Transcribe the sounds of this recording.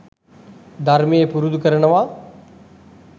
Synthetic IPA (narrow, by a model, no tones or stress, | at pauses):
d̪ʱaɾmijepuɾud̪kəɾɳəʋaː